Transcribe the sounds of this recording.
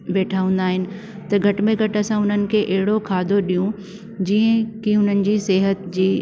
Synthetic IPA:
ɓeːʈʰaːʋə̃n̆d̪aːɦɪnɪ̆ | t̪ɐɡʱɐʈmẽɡʱɐʈɐsãʊn̤ənɪ̆kʰeːʔɐɦɪɽokʰaːd̪ʱoɗijũ | d͡ʑiːə̃kiʊn̤ənɪ̆d͡ʑiːseːɦət̪d͡ʑiː

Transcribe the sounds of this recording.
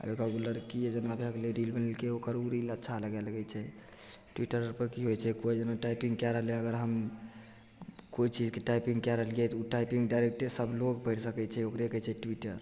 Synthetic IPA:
a̰ɾekaɡuləɾkied͡ʒənabʱekleɾilbənəlkeokəɾuɾilətːʃʰaləɡɛlɡɛt͡ʃʰɛ | ʈwiʈəɾɾpəɾkiɦojt͡ʃʰɛkojd͡ʒənaʈajpiŋɡkɛɾəɦəlɛəɡəɾɦəm | koit͡ʃid͡ʒkeʈajpĩŋɡkɛɾəɦəlɡɛt̪uʈajpiŋɡɖajɾek̚ʈesəbloɡpəɪɾsəkɛt͡ʃʰɛokɾekət͡ʃʰɛʈwiʈəɾ

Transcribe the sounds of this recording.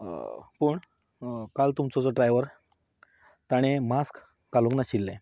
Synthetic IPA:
pəːɳ | kalt̪umt͡sɔt͡sɔɖɾajʋəɾ | t̪aɽ̃emaskː | alũŋknaɕilːẽ

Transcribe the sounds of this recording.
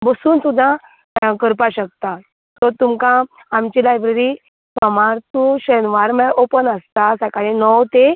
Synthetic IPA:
bəsuːnsud̪ʱːã | kəɾpaɕək̚t̪a | t̪ɔt̪umkãː | mt͡ɕilajbɾeɾi | sɔmaɾt̪ũɕənʋaɾmɛʔopənəst̪asəkaɭinɔwt̪e

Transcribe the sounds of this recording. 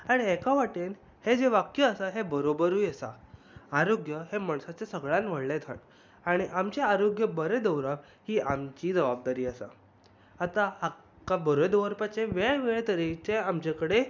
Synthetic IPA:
aɽ̃iɛkaʋaʈen | hed͡zeʋakjəːsaɦebəɾobəɾujesa̰ | aɾoɡjəɦemaɳsat͡ɕesəɡɭãnʋ̤əɽlẽt̪ʰa̰ʈ | aɽ̃iʔamt͡ɕaaɾoɡjəbəɾed̪əwɾaʋ | hiːamt͡ɕiːd͡zəʋab̚d̪aɾiːasa̰ | at̪aa | kabəɾed̪əʋəɾpat͡ɕẽʋeɭʋeɭt̪əɾit͡ɕeamt͡ɕakəɽe

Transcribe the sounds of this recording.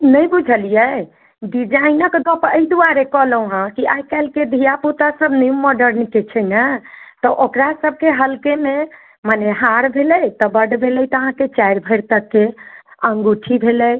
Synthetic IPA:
nəjbud͡ʒʱəlijɛ | ɖid͡ʒainəkd̪ɔpəid̪uaɾekɔɦləũɦãkiʔajkalked̪ʱijaput̪asəbniũmːɔɖəɾnket͡ʃʰɛjnət̪ɔʔokɾasəbʱkeɦəlkeme | maneɦaɾbʱeləjt̪ɔbəɖbʱelɛjt̪ɔəɦãket͡ʃajɾbʱəjɾt̪əkːeə̃ŋɡuʈʰibʱeləj

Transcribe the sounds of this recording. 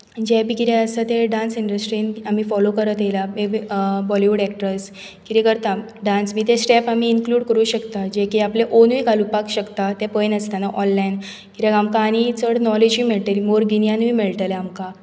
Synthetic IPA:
d͡ʑebikiɾeəsət̪eɖãnsiɳɖəsʈɾinam̤ifɔlokəɾət̪jelamebibɔliʋuɽɛk̚ʈɾəs | kiɾikəɾt̪a | ɖãnsmiːt̪esʈɛpamiːnkluːɽkəɾuːɕəkt̪ad͡ʑekiapleʔonʋikalupakɕəkt̪at̪ɛpəjnəst̪anaʔɔnlain | kiɾeɡamkaːñit͡səɽnɔled͡ʑʋimeɭt̪eɾimoɾɡinjanʋiːmeɭʈ̪əleamka

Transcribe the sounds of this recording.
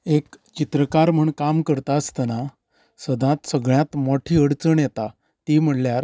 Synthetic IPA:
ekt͡ɕit̪ɾəkaɾm̤əɳkamkəɾt̪aəst̪əna | səd̪ãt̪səɡɭjãt̪mɔʈʰiːəɽt͡səɳjɛt̪a | t̪im̤əʈljaɾ

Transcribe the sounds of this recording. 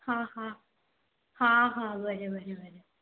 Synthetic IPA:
hãhã | hãːɦãʋɐɾeʋɐɾeʋɐɾe

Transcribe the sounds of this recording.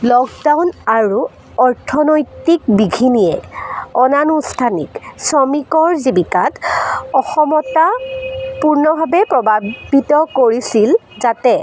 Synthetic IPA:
lɔkdawnaɹu | ɔɹtʰɔnɔjtik̚biɡʱinijɛɔnanustʰanḭksɔmikɔɹzibikatɔxɔmɔtapuɹnɔbʱabɛpɹɔbʱabitɔkoɹisil | zatɛ

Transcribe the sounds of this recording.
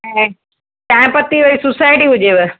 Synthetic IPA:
ɦɛ | t̪ãːɪ̃pɐt̪iʋɐɾisʊsaɪʈiɦʊd͡ʑeʋe

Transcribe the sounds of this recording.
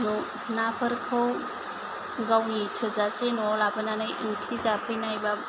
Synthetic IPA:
nɔ | napʰɯɾkʰɯw | ɡawnitʰɯzasenɔlabɯnanɯjʔɯ̰ŋpʰizapʰɯjnajba

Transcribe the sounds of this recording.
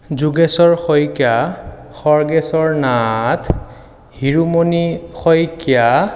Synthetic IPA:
zuɡɛsɔɹxɔjkjaxɔɹɡɛsɔɹnatʰ | hiɹumonixɔjkja

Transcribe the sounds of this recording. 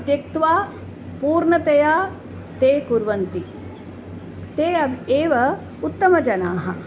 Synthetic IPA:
ɐd̪jɐk̚t̪ʋaː | puːɾɳɐt̪ɐjaː | t̪eːkuɾʋɐnt̪i | t̪eːɐbʱeːʋɐ | ut̪ːɐmɐd͡ʒɐnaːɦɐ̰

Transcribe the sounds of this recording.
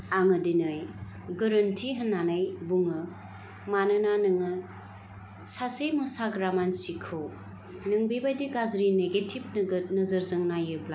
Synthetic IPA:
aŋɯdinɯj | ɡɯɾɯntʰiɦɯnːanɯjbuŋɯ | manɯnanɯŋɯ | sasejmɯsaɡɾamansikʰɯw | nɯŋbibajdiɡazɾineɡetʰip̚nɯɡnɯzɯɾzɯŋnajɯbla

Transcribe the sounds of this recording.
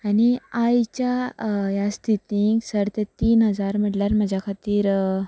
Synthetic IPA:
aɽ̃iajt͡ɕjajast̪ʰit̪iŋɡsəɾt̪et̪iːnɦəd͡zaɾm̤əʈljaɾməd͡ʑʱjakʰat̪iːɾ

